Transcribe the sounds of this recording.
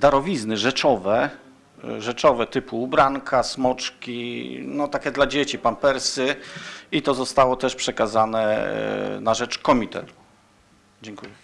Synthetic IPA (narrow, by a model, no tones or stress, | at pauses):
d̪aɾɔvʲiznɘʐɛt͡ʂɔvɛ | ʐɛt͡ʂɔvɛt̪ɘpuːbɾaŋkʰasmɔt͡ʂkʲinɔt̪akʲɛd̪lad͡ʑet͡ɕipampɛɾsɘit̪ɔzɔst̪awɔt̪ɛʂpʂɛkazanɛ̰ | naʐɛt͡ʂkɔmʲit̪ɛ̰t̪u̥ | d͡ʑɛŋkujɛ